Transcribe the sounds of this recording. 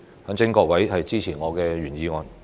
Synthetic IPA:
hɐ˨˥ŋt͡sɪ˥ŋkɔː˧k̚wɐ˨˥jhɐ˨jt͡siː˥t͡sʰiː˨˩ŋɔː˨˧kɛː˧ɥyː˨˩njiː˨˧ŋɔː˨˧n

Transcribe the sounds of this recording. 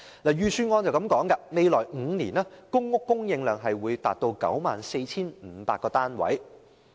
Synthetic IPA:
la˨˩jyː˨˧syː˧nŋɔː˧nt͡sɐ˨˩wkɐ˨˥mkɔː˨˥ŋkɐ˧me˨˧jlɔː˨˩jŋ̩˨˧˦niː˨˩naː˥kʊ˥ŋːʊ˥kːʊ˥ŋjɪ˧ŋlœː˨ŋɦɐ˨jwuː˨˧jt̪aː˨t̚t̪o˧wkɐ̰˨˥wmaː˨˩nse˧jt͡sʰiː˥nm̩˨˩˧pa̰ː˧t̚kːɔː˧t̪aː˥nwɐ̰˨˥j

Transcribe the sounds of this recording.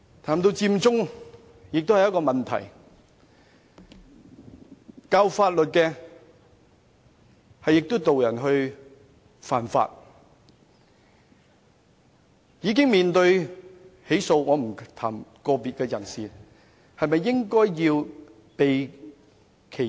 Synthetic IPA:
t̪ʰaː˨˩mt̪o˧wt͡siː˧mt͡sʊ˥ŋ | jɪ˨k̚t̪o˥whɐ˨jɐ˥t̚kɔː˧mɐ˨nt̪ʰɐ̰˨˩j | kaː˧wfaː˧t̚lɵ˨t̚kɛː˧ | hɐ˨jːɪ˨k̚t̪o˥wt̪o˨wjɐ˨˩nɦɵ˧ɥ | faː˨˩nfa̰ː˧t̚ | jiː˨˧k̬ɪ˥ŋmiː˨nt̪ɵ˧ɥ | he˨˥jso˧wŋɔː˨˧m̩˨˩t̪ʰa̰ː˨˩mkɔː˧piː˨t̚kɛː˧jɐ˨˩nsiː˨ | hɐ˨jmɐ˨jːɪ˥ŋkɔː˥jːiː˧w | pe˨j | kʰe˨˩

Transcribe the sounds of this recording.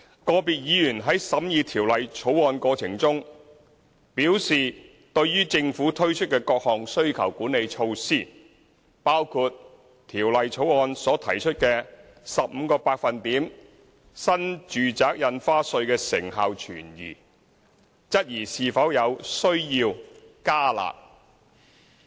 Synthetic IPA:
kɔː˧piː˨t̚jiː˨˥jyː˨˩nɦɐ˨˥jsɐ˨˥mjiː˧t̪ʰiː˨˩wlɐ˨jt͡ʃʰo˨˥wɔː˧nkɔː˧t͡sʰɪ˨˩ŋt͡sʊ˥ŋ | piː˨˥wsiː˨ | t̪ɵ˧ɥjyː˥t͡sɪ˧ŋfuː˨˥t̪ʰɵ˥ɥt͡ʃʰɵ˥t̚kɛː˧kɔː˧k̚hɔː˨ŋsɵ˥ɥkʰɐ̰˨˩wkuː˨˥ne˨˧jt͡ʃʰo˧wsiː˥˩ | paː˥wkʰuː˧t̪ | t̪ʰiː˨˩wlɐ˨jt͡sʰo˨˥wɔː˧nsɔː˨˥t̪ʰɐ˨˩jt͡ʃʰɵ˥t̚kɛː˧ | sɐ˨p̚m̩˨˧kɔː˧paː˧k̚fɐ˨nt̪iː˨˥m | sɐ˥nt͡ʃyː˨t͡saː˨˥k̚jɐ˧nfaː˥sɵ˧ɥkɛː˧sɪ̰˨˩ŋɦaː˨˧wt͡ʃʰyː˨˩njy̰ː˨˩ | t͡sɐ˥t̚jiː˨˩siː˨fɐ˨˥wjɐ˨˧wsɵ˥ɥjiː˧wkaː˥la̰ː˨k̚

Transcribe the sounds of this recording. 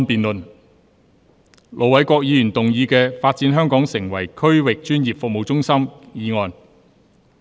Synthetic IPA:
npiː˨nlɵ˨n | lʔo˨wɐ˨˥jkʷɔː˧k̚jiː˨˧jyː˨˩nt̪ʊ˨ŋjiː˨˧kɛː˧faː˧t̚t͡siː˨˥nɦœː˥ŋkɔː˨˥ŋsɪ˨˩ŋwɐ˨˩jkʰɵ˥ɥwɪ˨k̚t͡ʃyː˥njiː˨p̚fʊ˨k̚mo˨wt͡sʊ˥ŋsɐ˥mjiː˨˧ŋɔː˨n

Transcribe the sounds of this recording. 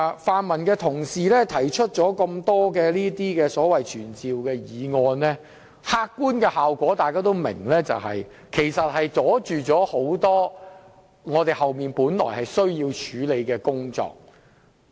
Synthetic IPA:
faː˨nmɐ˨˩nkɛː˧t̪ʰʊ˨˩ŋsiː˨lɛː˥t̪ʰɐ˨˩jt͡ʃʰɵ˥t̚t͡sɔː˨˥kɐ˧mt̪ɔː˥kɛː˧liː˥t̪iː˥kɛː˧sɔː˨˥wɐ˨jt͡ʃʰyː˨˩nt͡siː˨wkɛː˧jiː˨˧ŋɔː˧nlɛː˥ | haː˥kːuː˥nkɛː˧haː˨wkʷɔː˨˥t̪aː˨jkaː˥t̪o˥wmɪ̰˨˩ŋlɛː˥t͡sɐ̰˨whɐ̰˨j | kʰe˨˩jsɐ˨t̚hɐ˨jt͡sɔː˨˥t͡ʃyː˨t͡ʃɔː˨˥ho˨˥wt̪ɔː˥ | ŋɔː˨˧t̪e˨˧jhɐ˨wmiː˨npuː˨˥nlɔ̰ː˨˩jhɐ˨jsɵ˥ɥjiː˧wt͡ʃʰyː˨˧˥le˨˧jkɛː˧kʊ˥ŋt͡sɔ̰ː˧˨k̚

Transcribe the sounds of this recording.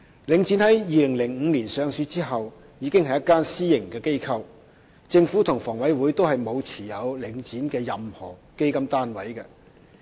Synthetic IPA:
lɪ˨˧˥ŋt͡siː˨˥nhɐ˨˥jjiː˨lɪ˨˩ŋlɪ˨˩ŋŋ̩ː˨˧liː˨˩nsœː˨˧ŋsyː˧˥t͡siː˥ɦɐ˨w | jiː˨˧kɪ˥ŋhɐ˨jɐ˥t̚kaː˥nsiː˥jɪ˨˩ŋkɛː˧ke˥jkʰɐ˧w | t͡sɪ˧ŋfuː˨˥t̪ʰʊ˨˩ŋfɔː˨˩ŋwɐ˨˥jwuː˨˥jt̪o˥wɦɐ˨jmo˨˧wt͡sʰiː˨˩jɐ˨˧wlɪ˨˧˥ŋt͡siː˨˥nkɛː˧jɐ˨mhɔ̰ː˨˩ke˥jkɐ˥mt̪aː˥nwɐ˨˥jkɛ˧

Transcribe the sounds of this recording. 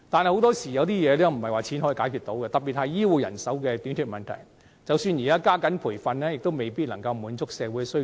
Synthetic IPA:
t̪aː˨nhɐ˨jho˧˥t̪ɔː˥siː˨˩jɐ˨˧wt̪̬iː˥jɛː˨˧lɛː˥m̩˨˩hɐ˨jwaː˨˩t͡sʰiː˨˥nɦɔː˨˥iː˨˧kaː˨˥jkʰyː˨t̪o˨˥wkɛː˧t̪ɐ˨p̚pi˨t̚hɐ˨˧jjiː˥wuː˨˧jɐ̰˨˩nsɐ˨˥wkɛː˧t̪yː˨˥nt̪ʰyː˨˧t̚mɐ˨nt̪ʰɐ̰˨˩j | t͡sɐ˨˧wsyː˧nji˨˩aː˥kaː˥kɐ˨˥npʰuː˨˩fɐ˧nlɛː˥jɪ˨k̚t̪o˥wme˨˩jpiː˥t̚lɐ˨˩ŋkɐ˧wmuː˨˥nt͡sʊ˥k̚sɛː˨˧wuː˨˥sɵ˥

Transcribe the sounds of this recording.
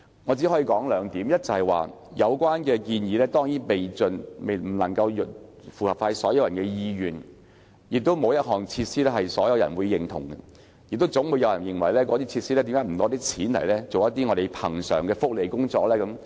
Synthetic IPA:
ŋɔ˨˧t͡si˨˥hɔː˨˥jiː˨˧kɔː˨˥ŋlœː˨˧ŋt̪iː˨˥mjɐ˥t̚t͡sɐ˨˩hɐ˨˩jwa̰ː˨jɐ˨˧wkʷwaː˥nkɛː˧kiː˧njiː˨˧lɛː˥t̪ɔː˥ŋjiː˨˥npe˨jt͡sɵ˨nme˨˩jm̩˨˩lɐ˨˩ŋkɐ˧wjt | fuː˨˩hɐ˨˩pfaː˧sɔ̰ː˨˥jɐ˧wjɐ˨˩nkɛː˧jiː˧ɥyː˨˩n | jɪ˨k̚t̪o˥wmo˨˧wjɐ˥t̚ɦɔː˨˩ŋt͡sʰiː˧t̚siː˥ɛː˥hɐ˨jsɔː˨˥jɐ˨˧wjɐ̰˨˩nwu˨˧jːɪ˨˩ŋt̪ʰʊ̰˨˩ŋɡɐ˧ | jɪ˨k̚t̪̬wt͡sʊ˨˥ŋwu˨˧jɐ˨˧wjɐ˨˩njɪ˨˩ŋwɐ˨˩jlɛː˥k̬ɔː˨˥t̪iː˥t͡sʰi˧t̚siː˥ɛ˥t̪i˨˥ŋkːaː˨˥m̩˨˩t̪ɔː˨˥t̪iː˥kt͡sʰiː˨˥nlɐ̰˨˩jlɛː˥t͡so˨wjɐ˥t̪ːiː˥ŋɔː˨˧ɾe˨˩jpʰɐ˨˩ŋsœ̰ː˨˩ŋkɛː˧fʊ˥k̚le˨˩jkʊ˥ŋt͡sɔː˧˥k̚lɛː˥kɐ˨˦m

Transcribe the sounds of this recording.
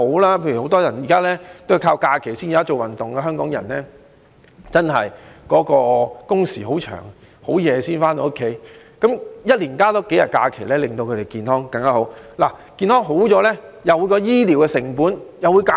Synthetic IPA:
o˨˥wlaː˥pʰe˧jɥy˨˩ho˨˥wt̪ɔː˥jɐ˨˩nji˨˩kaː˥lɛː˥t̪o˥˨kʰaː˧wkaː˧kʰe˨˩jsiː˥njiː˨a˥t͡so˨wɐ˨˩nt̪ʊ˨ŋkɛː˧ɦœː˥ŋkɔː˨˥ŋjɐ˨˩nnɛ˥ | t͡sɐ˥nɦɐ˨jkɔː˨˥kɔː˧kʊ˥ŋsiː˨˩ho˨˥wt͡ʃʰœ̰ː˨˩ŋ | ho˨˥wjɛː˨˧siː˥nfaː˥nt̪o˧˦o˥kʰːe˨˥j | kɐ˨˥mjɐ˥t̚liː˨˩nkaː˥t̪ɔː˨˥ke˨˥jɐ˨t̚kaː˧kʰe˨˩lɛː˥lɪ˨ŋt̪o˧wkʰɵ˨˧te˨˩jkiː˨˧nhɔː˥ŋkɐ˧ŋkaː˦˥ɦo˨˥wlaː˨˩ | kiː˧nhɔː˥ŋɦo˨˥wt͡sɔː˨˥lɛː˥jɐ˨wuː˨˧jkɔː˧jiː˥liː˨˩wkɛː˧sɪ˨˩ŋpuː˨˥njɐ˨wuː˨˧jka˧˥

